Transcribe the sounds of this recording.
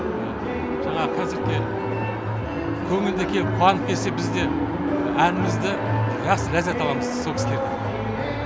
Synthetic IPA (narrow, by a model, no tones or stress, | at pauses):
ʒ̥ɑɴɑʁəkʲʰæzɪɾt̪ʲʰen | kʲʰɵŋɪld̪ekʲʰe̞qʰuɑnəp̚kʲe̞ɾse̞bɪzd̪e̞ | ænɪmɪzd̪ɪʒɑqsəɾæzɑjt̪ɑlˠɑməzsokʲɪ̥sle̞ɾd̪ɪ